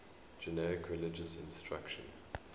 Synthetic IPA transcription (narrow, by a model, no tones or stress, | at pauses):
d͡ʒɛnɛɹɪkʰɹɪlɪd͡ʒəsɪ̰̃nstɹa̰kʃə̰̃n